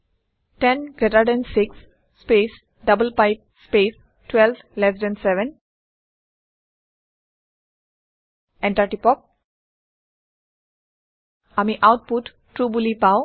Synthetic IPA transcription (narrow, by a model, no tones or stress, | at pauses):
ʈẽnɡɛʈaɖɛ̃nsɪksː | peːs | ɖʌbəlpaɪp̚speːs | ʈwɛlb | lɛs̬ɖɛ̃ɳɖsɛʋə̃n | ɛ̃ɳʈaɾʈipɔk̚ | amiʔaʊʈ̚puʈ | ʈɾuːbulipaʊ